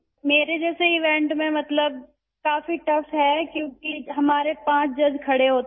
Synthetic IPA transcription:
meːɾed͡ʒɛːseɪʋɛ̃ɳʈmẽmɐt̪ləb̚ | kaːfiʈɐfɦɛkjõːkiɦɐmaːɾepãːt͡ʃd͡ʒɐd͡ʒkʰɐɽeɦoːt̪

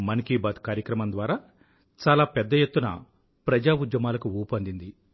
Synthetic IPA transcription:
mɐnikiːbaːt̪kaːɾjɐkɾɐmɐnd̪ʋaːɾaː | t͡ʃaːlaːpɛd̪ːɐjet̪ːunɐ̰ | pɾɐd͡ʒaːud͡ʒ̪jɐmaːlɐkuuːpɐnd̪ind̪i

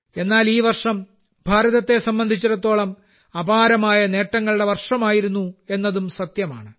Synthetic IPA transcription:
e̞nːaːliːʋɐrʂɐm | bʱaːɾɐðɐt̪ːe̞sɐmbɐnd̪ʱit͡ɕːuɾɐt̪ːo̞ːɭɐm | ɐbaːɾɐmaːjɐne̞ːʈːɐŋːɐɭuɽe̞ʋɐrʂɐmaːjiɾunːue̞nːɐðumsɐt̪jɐma̰ːɳɨ

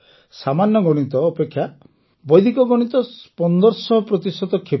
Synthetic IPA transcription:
samanjɔɡɔɽ̃it̪ɔːpekʰːja | bɔjd̪ʱikɔɡɔɽ̃it̪ɔspɔnd̪ɔɾsɔɦɔpɾɔt̪isɔt̪ɔkʰe

